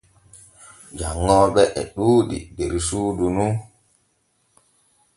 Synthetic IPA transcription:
d͡ʒaŋːɔɓɛʔɛ̰ɗuːɗḭdeɾisuːdunu

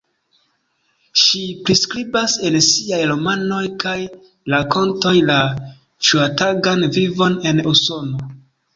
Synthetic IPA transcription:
ʃipɾiskɾibase̞nsiajɾomano̞jkʰaj | lako̞nto̞jla | ʃuataɡanvivo̞ne̞nuso̞no̞

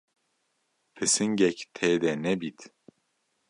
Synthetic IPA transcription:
pʰɨsɨnɟɛct̪ʰɛjd̪ɛnɛbit̪

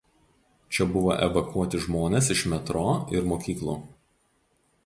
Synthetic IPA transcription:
t͡ʃʲɛbʊʋo̰ːʔɛ̰ʋɐkuɔt̪ʲɪʒmoːnʲesɪʃmʲɛt̪ɾoːɪɾmoːkʲiːklˠṵː

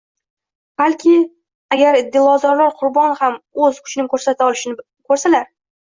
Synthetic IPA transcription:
b̥alkʲʰɪ | aɡʲaɾɪd̪ːɪlˠɒzɒɾlaɾqʰʊɾbɒnhamɵzkʰʊ̥t͡ʃʰɪnɪkʰɵɾsat̪ʰaɒlɪʃɪnɪ | kʰɵɾsalaɾ

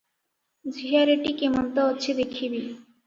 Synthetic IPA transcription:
d͡ʑiɦaɾeʈikemɔnt̪ɔɦotːɕʰid̪ekʰibi

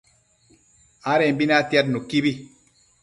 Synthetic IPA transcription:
aɾembinatjat̚nukibi

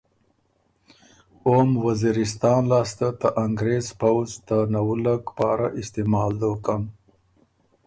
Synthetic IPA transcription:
omwaziɾɪst̪ɑːnlɑːst̪at̪əʔaŋɡɾezpawzt̪anawulakpɑːɾaʔɪst̪emɑːld̪okam

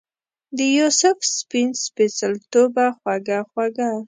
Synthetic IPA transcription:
d̪əjosʊfspinspesalt̪obaxwaɡaxwaɡa

